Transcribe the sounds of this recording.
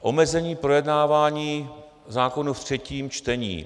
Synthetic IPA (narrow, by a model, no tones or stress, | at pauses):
ʔo̞mɛzɛɲiːpɾo̞jɛdnaːvaːɲiː | zaːko̞nuft̪r̝̥ɛciːmt͡ʃt̪ɛɲḭː